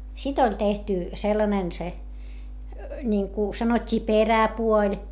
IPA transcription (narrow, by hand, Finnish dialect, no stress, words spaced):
sit olʲ tehty selːɑnen se nʲiŋku sɑnotʲːiː peræpuolʲ